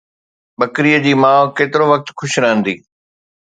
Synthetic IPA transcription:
ɓɐkɾiːəd͡ʑiːmãːʋkeːt̪ɪɾoʋɐk̚t̪xʰʊʃɾəɦə̃nd̪iː

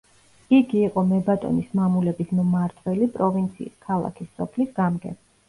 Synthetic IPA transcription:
iɡiːqʼɔmɛbat̪ʼɔ̰nismamulɛbismmaɾt̪ʰʼwɛlipʼɾɔvint̪sʰḭːskʰalˠa̰kʰisːɔpʰlisɡamɡɛ̰

